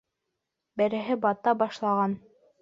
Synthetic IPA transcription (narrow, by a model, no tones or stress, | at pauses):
bæ̆ɾɘ̆ɦɘbɑt̪ɑbɑʃlˠɑʁɑn